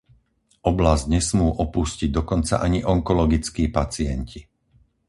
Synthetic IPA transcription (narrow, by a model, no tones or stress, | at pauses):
ʔɔblazɟɲɛsmuːʔɔpusciɟ̚d̪ɔkɔnt͡sa̰ʔaɲiʔɔŋkɔlɔɡit͡skiːpat͡siɛɲcʰi